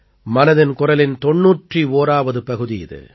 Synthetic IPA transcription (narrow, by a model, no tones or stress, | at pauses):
mɐnɐðɪnkʊrɐlɪnt̪ɔɳːuːʈrioːɾaːʋɐðɯpɐɣɯðɪjɪ̰ðɯ̰